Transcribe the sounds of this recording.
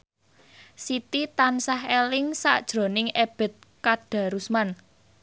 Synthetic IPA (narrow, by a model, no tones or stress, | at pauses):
sit̪it̪ansahelɪŋsa̰ʔd̥ʒ̥ɾo̤nɪŋeb̥ɛ̤t̪̚kaɖ̥ä̤ɾusman